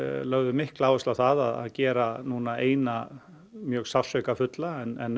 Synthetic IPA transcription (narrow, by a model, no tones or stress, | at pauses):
lœɣðʏmɪhklaːwɛst̪awθaðaða̰ðcɛːɾanuːnaḛːjna | mjœːɣsawsœkafʏt̪laɛnɛnː